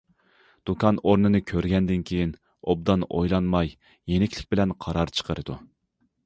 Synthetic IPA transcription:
d̪̥ukʰɑnoɾnɨnɨkʲʰøɾɡʲɛnd̪ɪnkʲʰejin | ob̚d̪ɑnojlˠɑnmɑjː | enɪkʲlɪk̚ʲbɪlɛnqʰɑɾɑɾt͡ʃʰə̥qʰəɾɨd̪u

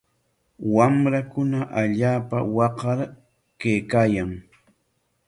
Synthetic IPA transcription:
wamɾakʊnaʔaʎaːpawɑqɑɾ | kejkaːjaŋ

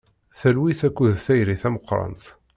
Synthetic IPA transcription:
θælwiθækʷːuðθæjɾiθæməqːɾˤɑ̰nt̪

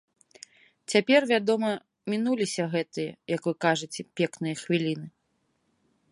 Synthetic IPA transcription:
t͡sʲapʲɛrvʲad̪ɔmɐ | mʲinulʲisʲɐɣɛt̪ɨjɐ̰jɐkvɨkaʐɨt͡sʲɛpʲɛknɨjɐxvʲilʲinɨ

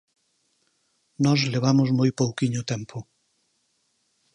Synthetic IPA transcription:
nɔzleβ̞amʊzmojpowkiɲʊt̪ɛmpʰʊ

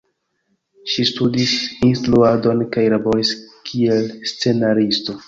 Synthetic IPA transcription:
ʃistudisinstluado̞nkajɾaboɾiskʰielst͡se̞naɾisto̞

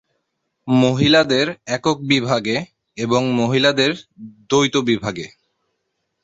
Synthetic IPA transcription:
moɦilad̪eɾɛkok̚bibʱaɡe | eboŋmoɦilad̪eɾd̪ojt̪obibʱaɡe

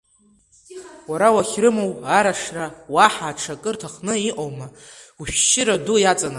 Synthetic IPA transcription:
waɾawaχʲrɨmowaɾaʂrawaħaːʈ͡ʂʰakʼɨrtʰaχnɨiʔowmauʃᶣʃɪɾadujat͡sʼana

